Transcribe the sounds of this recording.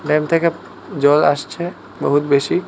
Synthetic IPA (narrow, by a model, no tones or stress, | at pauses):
ɖɛːmt̪ʰeke | d͡ʒɔːla̰st͡ʃʰɛ | bəɦut̪beːsi